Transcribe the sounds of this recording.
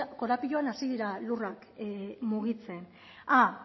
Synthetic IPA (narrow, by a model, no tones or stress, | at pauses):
ko̞ɾapiʎoanasiðiɾalurakmuɣ̞it͡se̞n | a